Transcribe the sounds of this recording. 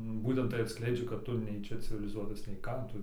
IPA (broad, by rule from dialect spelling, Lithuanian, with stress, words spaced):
ˈbuːtʲɛnt tɐɪ ɐtˈsklʲɛɪd͡ʒʲɛ kɐt ˈtʊ nʲɛɪ ˈt͡ʃʲɛ t͡sʲɪʋʲɪlʲɪˈzuɔtɐs nʲɛɪ ˈkɑː ˈtʊ